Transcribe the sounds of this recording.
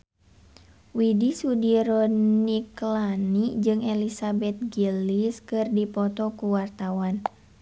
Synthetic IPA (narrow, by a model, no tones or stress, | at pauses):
widisudiɾɔniklanid͡ʒɨŋɛlisabɛt̪̚ɡiliskɨrdipɔt̪ɔkuwart̪awan